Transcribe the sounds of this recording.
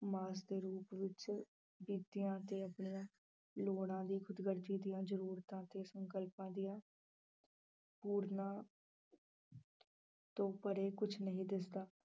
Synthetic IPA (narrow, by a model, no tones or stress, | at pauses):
maːsd̪eːɾuːpʋɪt͡ʃ | biːt̪ɪjãːt̪eːəpɳɪjãː | loːɽãːd̪iːkʰʊd̪ɡəɾt̪iːd̪ijãːzəɾuːɾt̪ãːt̪eːsəŋkəlpãːd̪ijãː | puːɾnãː | t̪õːpəɾeːkʊt͡ʃʰnəɦĩːd̪ɪsd̪aː